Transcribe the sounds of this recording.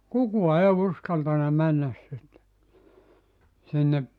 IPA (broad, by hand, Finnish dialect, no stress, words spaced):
kukuɑ eː uskɑltɑnɑ mænːæs sinːe sinːe